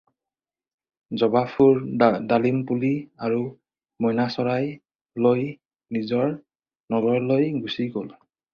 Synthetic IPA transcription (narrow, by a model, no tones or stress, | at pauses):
zɔbapʰuɹdalimpuliaɹu | mɔjnasɔɹaj | loj | nizɔɹ | nɔɡɔɹlojɡusiɡol